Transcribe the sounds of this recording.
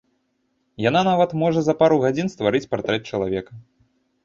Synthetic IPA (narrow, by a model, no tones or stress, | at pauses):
jan̪anavɐt̪mɔʐɐzɐpaɾuɣad͡zʲinst̪vaɾɨt͡sʲpɾɐt̪ɾɛt̪̚ʲt͡ʂɐlˠavʲɛkɐ